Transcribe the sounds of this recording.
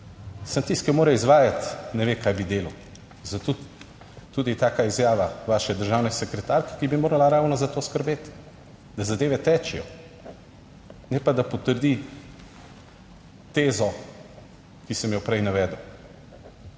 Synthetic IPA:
sant̪iskɛmoːɾɛizʋaːjat̪nɛʋekajbid̪eːlɐw | zat̪o | t̪uːd̪it̪aːkaizjaːʋaʋaːʃɛd̪əɾʒaːwnɛsɛkɾɛt̪aːɾkɛ̥kibimoːɾalaɾaːwnɔzat̪oːskəɾbeːt̪ | d̪azad̪eːʋɛt̪ɛːt͡ʃɛjɔ | nɛpad̪apɔt̪əɾd̪i | t̪eːzɔ | kisɛmjɔpɾɛjnaʋɛːd̪əw

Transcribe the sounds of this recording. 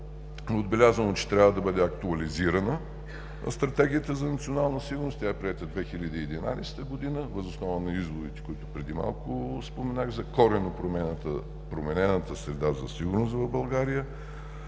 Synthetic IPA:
od̪bɛlʲazvənot͡ʃɛ̥t̪ɾʲavəd̪ɐbɤd̪ɛɐkt̪uɐliziɾənə̰ | st̪ɾɐt̪ɛɡʲiət̪əzɐnɐt̪sionalˠnəsiɡʊɾnʊst̪ʲjaɛpɾiɛt̪əd̪vɛxilʲəd̪iːɛd̪ina̰sɛ̥t̪əɡʊd̪inəvəzosnɔvənɐizvod̪it̪ɛ̥kʊit̪ʊpɾɛd̪ima̰lˠkʊspomɛnaɣzɐkɔɾɛnopɾomɛnət̪ə̰ | pɾomɛnɛnət̪əsɾɛd̪azɐ̰siɡʊɾnʊs̬t̪vɐvbɐlˠɡaɾijə

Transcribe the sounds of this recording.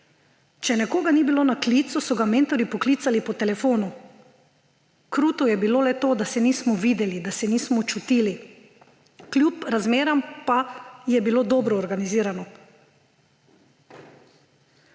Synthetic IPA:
t͡ʃɛnɛkoːɡanibiloːnakliːt̪susɔɡameːnt̪ɔɾipɔkliːt̪salipɔt̪ɛlɛfoːnu | kɾuːt̪ujɛbiloːlɛt̪oːd̪asɛniːsmɔʋiːd̪ɛlid̪asɛniːsmɔt͡ʃut̪iːli | klʲjupɾazmeːɾampajɛbiloːd̪ɔːbɾɔːɾɡaniziːɾanɔ

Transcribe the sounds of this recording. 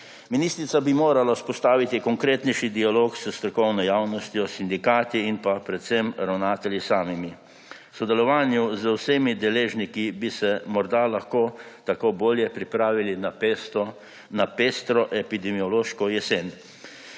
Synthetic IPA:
minist̪ɾit̪sabimoːɾalaspɔst̪aːʋit̪ikɔŋkɾeːt̪nɛjʃid̪ialoːksəst̪ɾɔkɔwnɔjawnɔst̪jɔsind̪ikaːt̪iinpapɾɛt̪sɛmɾawnaːt̪ɛljisaːmimi | sɔd̪ɛlɔʋaːnjuzəwseːmid̪ɛleːʒnikibisɛmɔɾd̪alaxkoːt̪akoboːljɛpɾipɾaːʋilin | napest̪ɾɔʔɛpid̪ɛmiɔloːʃkɔjɛsen

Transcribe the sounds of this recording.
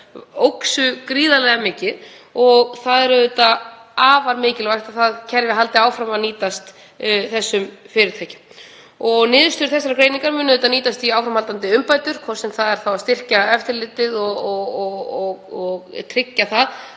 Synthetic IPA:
owksʏkɾiːðalɛɣamɪːcɪð | ɔɣθaðɛɾʏðʏt̪aaːvaɾmɪːcɪlvajht̪aðθaðcʰɛɾvɪɦalt̪ɪaːwfɾamaðniːt̪ast̪ | θɛsːʏmfɪːɾɪɾt̪ʰaːjcɪ̥m | ɔɣnɪːðʏst̪ʏɾ̥θɛsːaɾakɾeːjniŋkaɾmʏːnʏðʏːt̪aniːt̪ast̪iaːwfɾamhalt̪ant̪ɪʏmpajt̪ʏɾ̥kʰɔ̥sɛmθaðɛɾ̥θawaðst̪ɪr̥caɛft̪ɪɾlɪːt̪ɪðɔɔɔɣɔɣt̪ʰɾɪcːaθað

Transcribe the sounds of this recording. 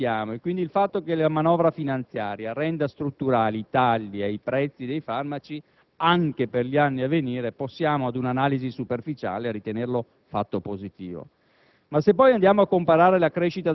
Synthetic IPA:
jaːmoekːwind̪ilfat̪ːokelamanɔvɾafinant̪sjaːɾjarɛnd̪ast̪ɾut̪ːuɾaːliːt̪aʎːiajpɾɛt̪sːid̪ejfarmat͡ʃi | aŋkeperʎianːiavːeniːɾeposːjaːmoad̪unanaːlizisuperfit͡ʃa̰ːlearit̪enerlo | fa̰t̪ːopozit̪ḭːvo̰ | masːepːɔjand̪jaːmoakːompaɾaːɾelakɾeʃit̪a

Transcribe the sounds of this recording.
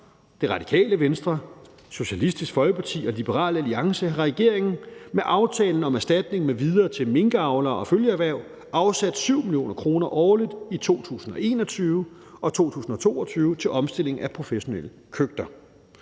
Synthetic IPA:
d̥e̝ʁɑ̈d̥i̥kʰɛ̰ːləʋensd̥ʁɐ | so̝ɕælisd̥isɡ̥fɒ̽lɡ̥əpʰɑ̈t͡sʰḭːɒ̽lib̥əʁɑ̰̈ːlæliɑ̈ŋsəʁɛɡ̥e̝ɐ̰e̝ŋn̩meʔɑ̈ʊt͡sʰɛːln̩ɒ̽mæɐsd̥æd̥ne̝ŋmeʋið̞ˠɐːt͡sʰe̝lme̝ŋɡ̥əɑ̈ʊlɐːɒ̽føljəæʋæɐ̰ʊ̰ | ɑ̈ʊsæd̥syʊ̰miljo̝̰ːnɐkʰʁo̝ːnɐʔɒːlid̥ˠit͡sʰo̝̰ːt͡sʰṵːsn̩ɒ̽e̝̰ːnɒ̽t͡sʰyːʊə | ɒ̽t͡sʰo̝̰ːt͡sʰṵːsn̩ɒ̽t͡sʰo̝̰ːɒt͡sʰyːʊət͡sʰe̝lʔɒ̽msd̥e̝l̰e̝ŋ̩æpʰʁo̝feɕo̝nelə | kʰøɡ̥̚d̥ɐ

